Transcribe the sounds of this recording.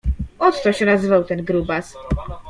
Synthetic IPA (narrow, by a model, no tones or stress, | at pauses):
ɔt̪t̪ɔɕɛnazɘvawt̪ɛnɡɾubas